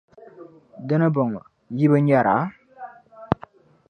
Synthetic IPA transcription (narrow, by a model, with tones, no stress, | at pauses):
də˦nə˦bɔ˨ŋ˨ | ji˦bə˦ɲa˦˨ɾa̰˨˦